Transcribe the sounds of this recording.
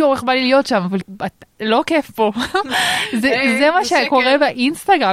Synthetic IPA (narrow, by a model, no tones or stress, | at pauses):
uʁeχbalilijo̞tʃamavalalo̞kefpo̞ | zɛzemaʃeko̞ʁebeʔinst̪aɡʁa